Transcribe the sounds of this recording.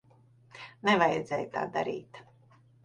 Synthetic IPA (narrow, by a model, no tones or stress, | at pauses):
nɛvajɛd̪zɛːjt̪a̰ːd̪a̰ɾḭːt̪